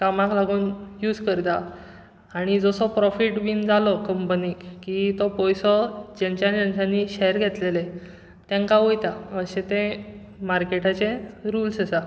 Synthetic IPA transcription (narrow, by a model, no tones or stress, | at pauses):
kamãklaɡuːnjuːd͡zkəɾt̪a | aɽ̃id͡zɔsɔpɾɔfiʈʋiːnd͡zalɔkəmpəniːkkːit̪ɔpɔjsɔd͡ʑaɲt͡ɕjad͡ʑənsãnːiɕejɾɡʱet̪lele | t̪jãŋkaʋojt̪aəɕẽt̪ẽ | maɾkeʈat͡ɕẽɾuːlsəsa